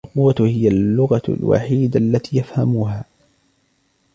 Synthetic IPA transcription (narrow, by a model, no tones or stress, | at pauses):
lqʊwːahɪjalːʊɣɑlwa̰ħiːd̪aʔalːat̪iːjafhamuɦaː